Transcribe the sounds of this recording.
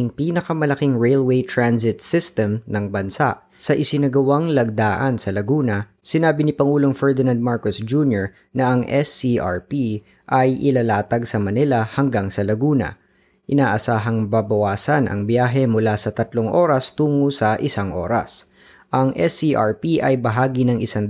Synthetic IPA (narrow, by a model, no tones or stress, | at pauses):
ɪŋpiːnɐkɐmɐlɐkiŋɹɛjlwejt̪ɹansɪt̪̚sɪst̪ɛmnɐŋbɐnsaʔ | sɐʔɪsɪnɐɡɐwaŋlɐɡ̚d̪aːʔɐnsɐlɐɡuːnɐ | sɪnaːbɪnɪpɐŋuːloŋfɛɹd̪ɪnãnd̪̚maɹkosd͡ʒunjoɹ | nɐʔɐŋʔɛsiʔa̰ɹpi | ʔɐjʔɪlalaːt̪ɐɡsɐmɐnilɐhɐŋɡaŋsɐlɐɡuːnɐ̰ | ʔɪnaːʔɐsaːɦɐŋbabɐwaːsɐnʔɐ̰ŋbjaːɦɛmʊlasɐt̪ɐt̪loŋʔo̞ːɾɐst̪uːŋosɐʔɪsaŋʔo̞ːɾɐ̰s | ʔɐŋʔɛsiʔaɹpiʔɐjbɐɦaːɡinɐŋʔɪsaŋ